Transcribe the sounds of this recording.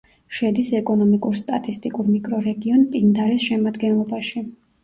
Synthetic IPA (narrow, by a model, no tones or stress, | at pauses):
ʃɛd̪isɛkʼɔnɔmikʼuɾst̪ʼat̪ʼist̪ʼikʼuɾmikʼɾɔɾɛɡiɔnpʼind̪aɾisʃɛmad̪ɡɛnlˠɔbaʃi